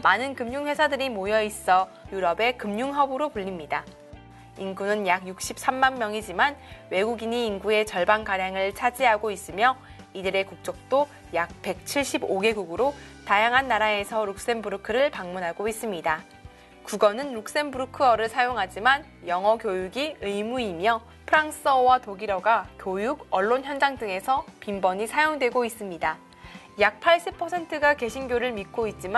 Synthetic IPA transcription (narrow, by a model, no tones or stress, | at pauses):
manɯnkɯmɲuŋɸwe̞sʰadɯɾimojʌis͈ʌ | juɾʌbe̞kɯmɲuŋɦʌbɯɾopuʎːimɲida | inɡunɯnjaɡjuk̚ɕ͈ʰip̚s͈amːanmjʌŋid͡ʑimanwe̞ɡuɡiɲiːnɡue̞t͡ɕʌɭbankaɾjaŋɯɭt͡ɕʰad͡ʑiɦaɡois͈ɯmjʌ | idɯɾe̞kuk̚t͡ɕ͈ok̚t͈o | jak̚pe̞k̚t͡ɕʰiɭɕ͈iboɡe̞ɡuɡɯɾotajaŋɦanːaɾae̞sʰʌɾuk̚s͈e̞nbɯɾɯkʰɯɾɯɭpaŋmunɦaɡois͈ɯmɲida | kuɡʌnɯnɾuk̚s͈e̞nbuɾukʰɯʌɾɯɭsʰajoŋɦad͡ʑiman | jʌŋɦʌkjojuɡiɯjmuimjʌ | pʰɯɾaŋs͈ʌwatoɡiɾʌɡakjojuɡʌɭːonçjʌnd͡ʑaŋdɯŋe̞sʰʌpimbʌɲisʰajoŋdwe̞ɡois͈ɯmɲida | jak̚pʰaɭɕ͈ipʰʌsʰe̞ntʰɯɡake̞ɕʰinɡjoɾɯɭmit̚k͈oit̚t͡ɕ͈im